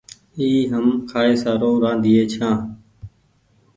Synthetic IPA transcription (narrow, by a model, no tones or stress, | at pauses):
iːɦəmkʰaːeːsaːɾoːɾãːnd̪iːeːt͡ʃʰãː